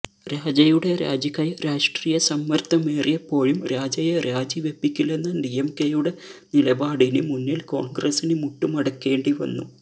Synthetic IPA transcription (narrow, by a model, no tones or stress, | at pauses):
ɾaːd͡ʑɐjuɽe̞ɾa̰ːd͡ʑɐkːɐjɾaːʂʈriːjɐsɐmːɐrt̪ːɐmeːrijepːo̞ːɻumɾaːd͡ʑɐjeɾaːd͡ʑiʋe̞bːikʲːilːenːɐdijemkejuɽe̞nilɐbaːɽinɨmunːilko̞ːɳɡrɐsinɨmuʈːumɐɽɐkːe̞ːɳɖiʋɐ̰nːṵ